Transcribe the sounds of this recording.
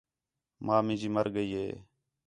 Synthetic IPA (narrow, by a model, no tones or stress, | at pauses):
mãːmɪ̃nd͡ʒiːməɾɡəiːɦeː